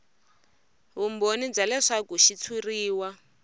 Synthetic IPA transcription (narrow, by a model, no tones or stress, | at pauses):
ɦumbonid͡zalɛʂakuʃit͡sʰuriːwa